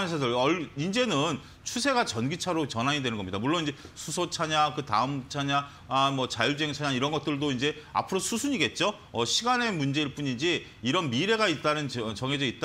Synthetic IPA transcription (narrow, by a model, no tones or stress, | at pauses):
esʰʌsʌʌind͡ʑe̞nɯn | t͡ɕʰusʰe̞ɡat͡ɕʌnɡit͡ɕʰaɾot͡ɕʌnɦaɲidwenɯnɡʌmɲidamuɭːonind͡ʑe̞sʰusʰot͡ɕʰaɲakɯta̰ɯmt͡ɕʰaɲa | amʌt͡ɕaʎd͡ʑe̞ŋt͡ɕʰaɲaiɾʌnɡʌt̚t͈ɯɭdoind͡ʑe̞a̰pʰɯɾosʰusʰuɲiɡe̞t̚t͡ɕ͈o | ʌɕʰiɡane̞mund͡ʑe̞iɭp͈uɲind͡ʑi | iɾʌnmiɾe̞ɡait̚t͈anɯnt͡ɕʌŋɦe̞d͡ʑʌit̚t͈a